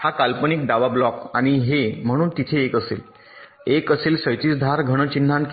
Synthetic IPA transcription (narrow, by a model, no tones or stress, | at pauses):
hakalpəniːk̚ɖaʋablɔkaɽ̃iɦem̤əɽ̃uːnt̪it̪ʰeːkəsḛl | ekəselsəjt̪iːsd̪ʱaɾɡʱəɽ̃ət͡ɕin̤ːãnk